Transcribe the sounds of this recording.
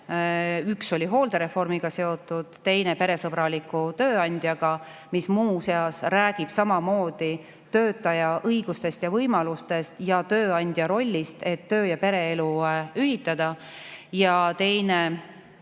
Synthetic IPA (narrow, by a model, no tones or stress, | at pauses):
ykso̞lʲiɦo̞ːld̪̥e̞ɾe̞fo̞rmiɡ̥ɑse̞o̞t̪ːˑud̪̥t̪e̞jne̞pe̞ɾe̞sɤb̥ɾɑlikːˑut̪ø̞ːɑnʲd̪̥jɑɡ̥ɑ | mismuːse̞ɑsræːɡ̥ib̥sɑmɑmo̞ːd̪̥i | t̪ø̞ːt̪ːˑɑjɑʔɤjɡ̥ust̪e̞st̪jɑvɤjmɑlust̪e̞st̪jɑt̪ø̞ːɑnʲd̪̥jɑɾo̞lʲːist̪e̞t̪ːø̞ːjɑpe̞ɾe̞eluyɦit̪ːˑɑd̪̥ɑ | jɑt̪e̞jne